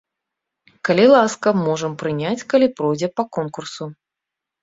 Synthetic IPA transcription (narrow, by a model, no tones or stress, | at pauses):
kɐlʲilˠaskɐmɔʐɨmpɾɨnʲat͡sʲkɐlʲipɾɔjd͡zʲɛpɐkɔnkursu